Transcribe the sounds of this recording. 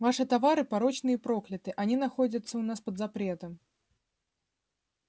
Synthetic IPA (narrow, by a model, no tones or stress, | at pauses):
vaʂɨt̪avaɾɨpaɾɔt͡ʃnɨjɐpɾɔklʲɐt̪ɨʔanʲinaxɔd͡zʲɐt̪sːɐwnaspɐd̪zapɾɛt̪ɐm